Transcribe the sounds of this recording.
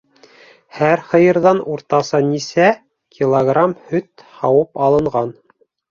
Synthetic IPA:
hæɾχɤ̆jɤ̆ɾðɑnuɾt̪ɑsɑnisæ | kʲʰilˠoɡramhɵt̪hɑwɤpɑlˠɤ̆ɴʁɑn

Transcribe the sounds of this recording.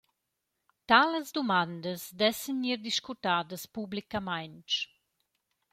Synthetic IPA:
t̪aləzd̪umand̪əsd̪ɛsənːiɾd̪iʃkut̪aːd̪əspublikamajnt͡ʃ

